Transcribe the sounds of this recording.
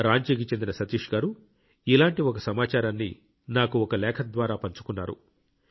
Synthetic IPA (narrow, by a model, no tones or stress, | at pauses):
ɾaːɲt͡ʃiːk̬it͡ʃend̪inɐsɐt̪iːʂɡaːɾu | ilaːɳʈiɔkɐsɐmaːt͡ʃaːɾanːḭ | naːkuɔkɐlɛːkʰɐd̪ʋaːɾaːpɐɲt͡ʃu̥kunːaːɾṵ